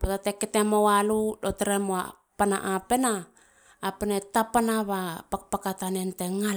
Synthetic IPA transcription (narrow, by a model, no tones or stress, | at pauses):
potateketemowaludoteɾemoa̰ | pana̰ʔape̞naː | penetapanaβapakpakatanenteŋa